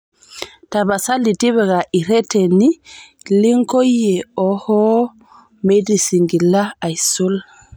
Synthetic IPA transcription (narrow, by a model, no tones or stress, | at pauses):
tabasalitiβɛɡaʔiɾɛtɛni | liŋkojːɛɔhɔ | medisiŋɡilaajsol